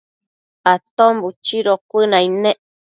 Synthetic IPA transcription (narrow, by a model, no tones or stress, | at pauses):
at̪ombut͡ʃiɾokʷɨnãinẽʔ